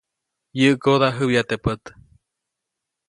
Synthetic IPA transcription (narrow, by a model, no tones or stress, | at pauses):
jɨʔkod̪aɦɨwjat̪epət̪